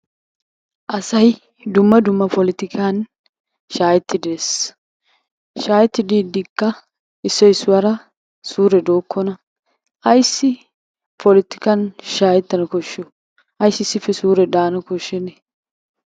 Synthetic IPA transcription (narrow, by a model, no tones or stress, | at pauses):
ʔɐsɐj | d̪ʊmːɐd̪ʊmːɐpɔlɪt̪ɪkʰan | ʃaːjɛt̪ːɪd̪eːs | ʃaːjɛt̪ːɪd̪iːd̪ɪkːɐ | ɪsːɔɪsːʊwɐɾɐ | suːɾɛd̪oːkʰːɔnɐ | ʔɐjsːɪ | pʰɔlɪt̪ɪkɐnʃaːjɛt̪ːɐnɐkɔʃːɔ | ɐjsːɪsːɪfɛsuːɾɛd̪aːnɐkɔʃːɛnɛ